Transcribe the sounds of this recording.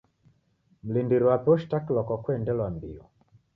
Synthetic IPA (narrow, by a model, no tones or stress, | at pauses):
m̩lindiɾiwapɔʃtaklɔkɔkwɛndɛlwambiɔ